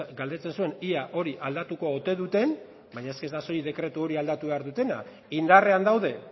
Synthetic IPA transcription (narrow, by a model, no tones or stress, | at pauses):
ɡald̪e̞t͡se̞nsue̞niaʔo̞ɾiʔald̪at̪uko̞ːt̪e̞ðut̪e̞n | bajɲaeske̞zd̪aso̞jiðe̞kɾe̞t̪uo̞ɾiald̪at̪uβe̞aɾðut̪e̞na̰ | ind̪are̞and̪awðe̞